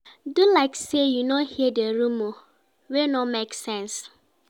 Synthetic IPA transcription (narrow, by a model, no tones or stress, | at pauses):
dulaɪksejunohideɾumo | wenɔmeksɛ̃ns